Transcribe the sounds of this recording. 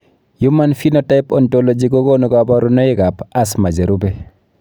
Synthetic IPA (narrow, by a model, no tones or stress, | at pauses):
jumanfinotajpɔntolod͡ʒiɡoɡonuɡabɔɾunɔiɡapasmad͡ʒeɾube